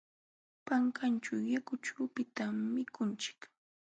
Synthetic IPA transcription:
paŋkant͡ʃawjakʊt͡ʃaːpɪt̪amːɪkʊnt͡ʃɪ̥k

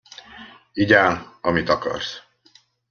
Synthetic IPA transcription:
iɟaːnɒmit̪ɒkɒ̰rs

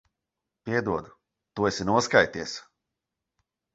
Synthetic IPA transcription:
pʲiɛd̪uɔd̪u | t̪uɛsʲinuɔskajt̪iɛs

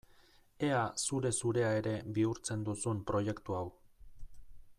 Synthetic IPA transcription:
e̞asuɾe̞suɾe̞ae̞ɾe̞biuɾt͡se̞nd̪usumpɾo̞je̞kt̪uaw

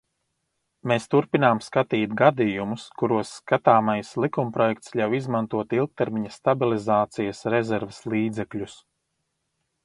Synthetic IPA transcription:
meːst̪uɾpinaːmskat̪iːt̪ɡad̪ijumuskuɾuɔsːkat̪aːmajslˠikumpɾɔjɛk̚t̪sʎʲawizmant̪uɔt̪ilˠk̚t̪ɛɾmiɲɐst̪abilˠizaːt̪sijɐsɾɛzɛɾveslˠiːd̪zɛklʲus

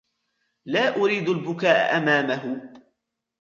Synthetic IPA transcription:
laːʔʊɾiːd̪ʊlbʊkaːʔa̰ʔamaːmaɦʊ

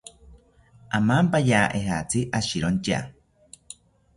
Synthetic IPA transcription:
amampajaːʔeɦat͡sʰiʔaʃiɾont͡ʃa̰

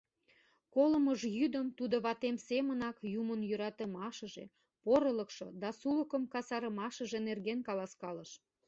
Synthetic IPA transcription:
koləməʒjyd̪əmt̪ud̪oβɑt̪emsemənɑkjumənjøɾɑt̪ə̆mɑʃəʒḛ | poɾələ̆kʃo̰d̪ɑsuləkəmkɑsɑɾə̆mɑʃəʒenerɣenkɑlɑskɑləʃ

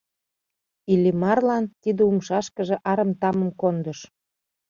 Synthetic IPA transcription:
ilʲimɑrlɑnt̪id̪əumʃɑʃkəʒĕʔɑɾəmt̪ɑmə̆mkond̪əʃ

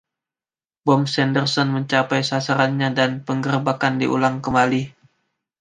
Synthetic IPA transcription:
bɔmsɛndərsɔnməɲt͡ʃapajsasaɾanɲadanpəŋɡərbakandḭʔṵlaŋkəmali

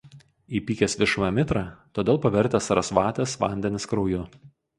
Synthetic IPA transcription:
iːpʲiːkʲesʋʲɪʃʊʋɐmʲɪt̪ɾɑːt̪oːd̪ʲeːlˠpɐʋʲɛɾʲt̪ʲɛsɐɾɐsʋɑːt̪ʲɛsʋɑ̰ˑnʲd̪ʲɛnʲɪskɾɒʊjʊ

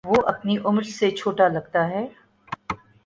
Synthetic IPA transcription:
ʋoːʔɐpniʔʊmɾset͡ʃʰoːʈalɐɡt̪aɦɛː

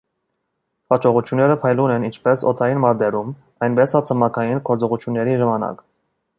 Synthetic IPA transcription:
ɑt͡ʃɔʁut͡ʃʰjunːɛɾəpʰɑjlunɛnint͡ʃʰpɛsɔ̰t̪ʰɑjinmɑɾd̪ɛɾum | ɑjnbɛsɑt͡sʰəmɑkʰɑjinɡɔɾt͡sɔʁut͡ʃʰjunːɛɾiʒɑmɑnɑ̰k

